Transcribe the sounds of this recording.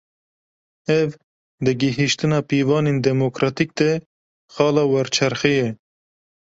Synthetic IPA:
ɛv | d̪ɨɡɪɦiʃt̪ɨnɑːpiːvɑːneːnd̪ɛmokɾɑːt̪ik̚d̪ɛ | xɑːlɑːwɛɾt͡ʃʰɛɾxijɛ

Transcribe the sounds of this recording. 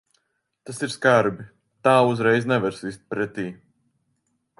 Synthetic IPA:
t̪asiɾskaɾbi | t̪aːuzɾɛjznɛvɛɾsist̪̚pɾɛt̪iː

